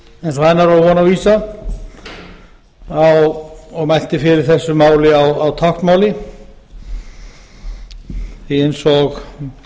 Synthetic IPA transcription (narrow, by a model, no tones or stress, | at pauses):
ɛens̬vaːjnaɾawvɔːnaviːsa | awɔɣmajl̥t̪ɪfɪɾɪɾ̥θɛsːʏmaːwlɪawawt̪ʰaxt̪maːwlɪ | θiensɔx